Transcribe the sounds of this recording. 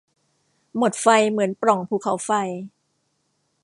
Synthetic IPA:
mo˨˩t̪̚fa˧jmɯ˩˦ənpɾɔ˨˩ŋpʰuː˧˩kʰa˩˦wfa˧j

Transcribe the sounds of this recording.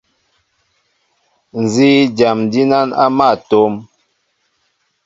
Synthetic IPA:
n˨zi˦d͡ʒa˨mdi˦na˦na̰˦ma˦˨to˦m

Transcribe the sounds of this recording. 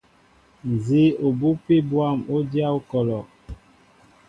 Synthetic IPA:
n̩˨zi˦o˨bu˦pe˦bwa˦˨mo˦dja˦o˦kɔ˨lɔ˨

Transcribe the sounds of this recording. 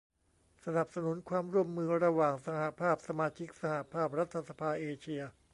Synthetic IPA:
sa˧na˨˩p̚sa˧nu˩˦nkʰwaː˧mɾu˥˩əmːɯː˧ɾa˧waː˨˩ŋsa˧ha˨˩pʰaː˥˩p̚sa˧maː˧t͡ɕʰi˦˥k̚sa˧ha˨˩pʰaː˥˩p̚ɾa˦˥t̪ʰːa˧sa˧pʰaː˧ʔeː˧t͡ɕʰi˧ɐ

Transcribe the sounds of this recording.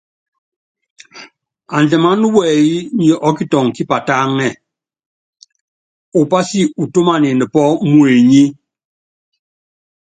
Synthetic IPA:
a˨nd͡ʒɛ˨ma˦nu˦wɛ˨i˦ɲi˨ʔɔ˦ki˦tɔ˨ŋ˨ki˦pa˨ta˦ŋɛ˦˨ | u˨pa˦si˦u˨to˦ma˨ni˨nə˨pɔ˦mwe˨ɲi˦

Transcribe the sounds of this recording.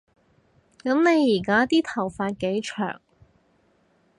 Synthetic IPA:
kɐ˨˥mne˨˧jːiː˨˩kaː˥t̪iː˥t̪ʰɐ˨˩wfaː˧t̚ke˨˥jt͡ʃʰœ̰ː˨˩ŋ

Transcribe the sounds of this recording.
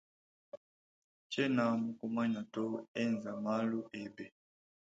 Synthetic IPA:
t͡ʃɛ˦na˨mu˨ku˦ma˦ɲa˨tɔ˦ɛ˦˨nza˨ma˦lu˦ʔɛ˨bɛ˨

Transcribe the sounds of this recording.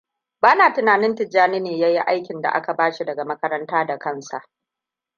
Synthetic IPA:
baː˦naː˨tɪ˦naː˨nɪ˦ntɪ˨d͡ʒːaː˦nɪ˦neː˨jaː˦ji˦ʔa˦jkʲɪ˨nda̰˨ʔa˦ka˨baː˦ʃi˦dɐ˨ɡa˨mɐ˦kɐ˦ɾɐ˦ntaː˦da˨kɐ˦nsa̰˨ʔ

